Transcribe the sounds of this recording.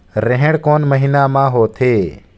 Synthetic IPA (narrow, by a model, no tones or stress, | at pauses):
ɾeɦẽɽkoːnməɦiːnaːmãːɦoːt̪ʰeː